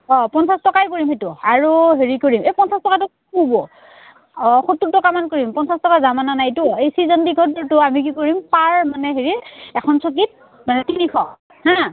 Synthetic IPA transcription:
ɔpɔnsastɔkajkoɹimhetʊaɹuɦeɹikoɹimejpɔnsastɔkatʊ | kubɔ | ɔxotːutɔkamankoɹimpɔnsastɔkazamananajtʊejsizɔndiɡʱɔdɔɹtʊamik̬ikoɹimpaɹmanɛɦeɹiɛkʰɔnsok̬it̚ | manɛtinikʰɔ | hã

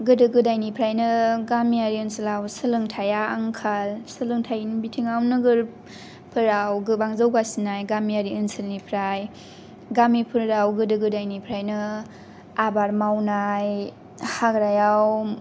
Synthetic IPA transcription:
ɡɯdɯɡɯdajnipʰɾajnɯɡamiaɾiɯnsɯlawsɯlɯŋtʰajaːŋkʰalsɯlɯŋtʰajnbitʰiŋawnɯɡɯɾ | pʰɯɾawɡɯbaŋzawɡasinajɡamiaɾiɯnsɯlnipʰɾaj | ɡamipʰɯɾawɡɯdɯɡɯdajnipʰɾajnɯ | abaɾmawnaj | haɡɾajaw

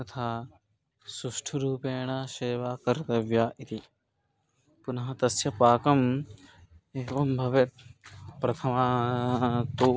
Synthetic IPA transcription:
ɐt̪ʰaː | suʂʈʰɐɾuːpeːɳaːʃeːʋaːkɐɾt̪ɐʋjaːʔit̪i | punɐɦɐt̪ɐsjɐpaːkɐm | eːʋɐmbʱɐʋet̪̚pɾɐt̪ʰɐmaː | t̪uː

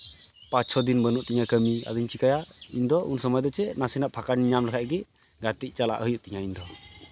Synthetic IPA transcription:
pãt͡ʃsʰɔd̪inbənuʔt̪iɲakəmia̰d̪iɲt͡ʃikajaḭɲd̪ɔʔunsɔmɔjd̪ɔt͡ʃɛnasinaʔpʰakaɾniɲamlɛkʰaʔɡɛ | ɡat̪ic̚ˀt͡ʃala̰ʔɦəjuʔt̪iɲaiɲd̪ɔ

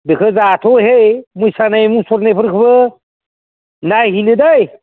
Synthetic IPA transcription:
bekʰəd͡zat̪ʰoɦejmujsanajmusoɾnejpʰəɾkʰəbə | najɦiled̪aj

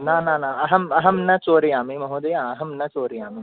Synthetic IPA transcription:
nãːnãːnãːɐɦɐmɐɦɐmnɐt͡ʃoːɾijaːmimɐɦõːd̪ɐjãːɐɦɐmnɐt͡ʃoːɾijãːmi

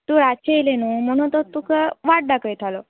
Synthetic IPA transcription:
t̪uɾat͡ɕejlenum̤əɽ̃ũnt̪ɔt̪ukəʋaʈ̚ɖakəjt̪ʰalo

